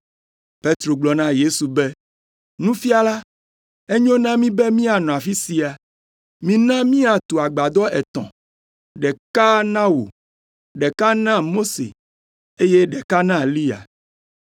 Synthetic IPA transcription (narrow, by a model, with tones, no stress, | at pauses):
pe˦t̪ɾo˨ɡ͡blɔ˨nã˦je˦su˨bɛ˦ | nũ˦fi˦a˨la˦ | e˦ɲõ˦nã˦mĩ˦bɛ˦mĩ˦a˨nɔ̃˨a˨fi˦si˨a˨ | mĩ˦nã˦mĩ˦a˨t̪o˨a˨ɡ͡ba˨d̪ɔ˦ɛ˨t̪ɔ̰̃˨ | ɖɛ˨ka˦nã˦wo̰˨ | ɖɛ˨ka˦nã˦mo˦sḛ˨ | e˦je˦ɖɛ˨ka˦nã˦li˦a̰˨